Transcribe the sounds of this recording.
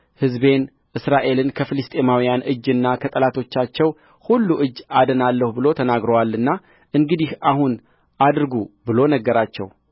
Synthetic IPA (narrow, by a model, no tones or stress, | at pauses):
hɨzbe̞n | ʔɨsɾaʔe̞lɨnkʰəfɨlɨst̪ʼe̞mawijanʔɨd͡ʒːɨnːakʰət̪ʼəlat̪ʰo̞t͡ʃːat͡ʃːɛw | hulːuʔɨd͡ʒːad̪ənalːəhubɨlo̞t̪ʰənaɡɾəwalːɨnːa | ʔɨŋɡɨd̪ihahun | ʔad̪ɾɡubɨlo̞nəɡːəɾat͡ʃːɛ̰w